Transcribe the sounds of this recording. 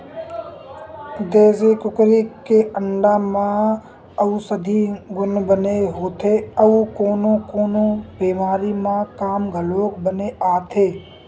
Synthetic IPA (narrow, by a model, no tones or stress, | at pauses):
d̪eːzekʊkɾikeʔəɳɖaːmã | əusəd̪ʱiɡʊnbəneɦoːt̪ʰeəukoːnõkoːnõbiːmaːɾimãːkaːmɡʱəloːkbəneʔaːt̪ʰeː